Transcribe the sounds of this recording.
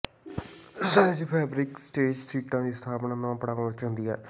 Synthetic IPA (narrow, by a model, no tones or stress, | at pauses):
d͡ʒipʰɛːbɾɪksʈeːd͡ʒsiːʈãːd̪iːst̪ʰaːpnaːnãːpəɽaːʋə̃ət͡ʃɦʊnd̪iːɛ̰ː